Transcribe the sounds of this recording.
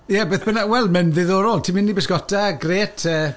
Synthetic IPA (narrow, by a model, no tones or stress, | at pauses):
jɛbeːθb̥ənawɛlˠmɛnðɪðɔɾɔlˠtʰimɪnːibəsɡ̥ɔtʰaɡreːtʰəː